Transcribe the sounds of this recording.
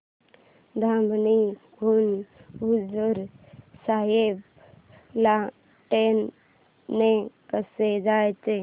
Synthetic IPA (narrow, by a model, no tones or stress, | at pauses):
d̪ʱãmbni | ɡʱunud͡ʒuɾsaɦeb̚ | la | ʈenː | ekəsed͡ʒajt͡ʃe